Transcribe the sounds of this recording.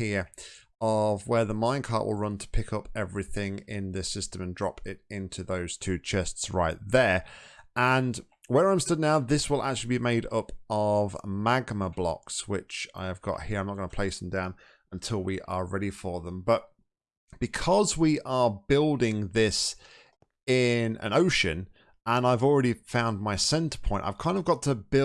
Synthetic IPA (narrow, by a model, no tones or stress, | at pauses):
hiəɹ | əvwə˞ðəmãɪ̃nkʰɑ̰ɹʔwɪ̰lˠɹʌ̃ntʰə̥pʰɪkʰʌpɛvɹiθɪ̃ŋɪ̃nðɨsɪstə̃mə̃ndɹɒpʰɪɾɪ̃ntʰʉðoʊz̥tʰʉːt͡ʃʰɛstsɹaɪt̪̚ðəʔə̃n | wəɹãɪ̃mstʌdⁿnaʊðɪswɪlˠʔa̰k̚t͡ʃʉl̩libimeɪɾʌpəvmaɡməblɒ̰kswɪt͡ʃa̰ɪəvɡɑ̰ʔhiɹaɪ̃mnət̚ɡ̥ʌ̃nəpʰl̥eɪsðə̃m̩dãʊ̃n | ə̃ntʰɪlˠwiʔə˞ɹɛɾifə˞ðə̃mbʌt̚ | b̥ɨkʰʌzwiʔə˞bɪlˠdɪ̃ŋðɪs | ɪ̃nə̰̃noʊʃɨ̃n | ə̃naɪvl̩ˠɹɛɾifãʊ̃nmaɪsɛ̃ntə̥pʰɔ̃ɪ̃ntaɪv̥kʰãɪ̃ndəvɡɑtʰəbɪ